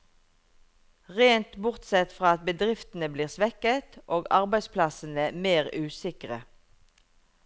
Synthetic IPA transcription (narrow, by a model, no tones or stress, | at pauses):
ʁeːnt̪bʊʁt̪sɛt̪fʁɑːɑt̪̚bəd̪ʁɪft̪n̩əbliːʁsʋɛkət̪ʔoːɡɑʁbæɪspʰlɑsn̩əmeːʁʉːsɪkʁə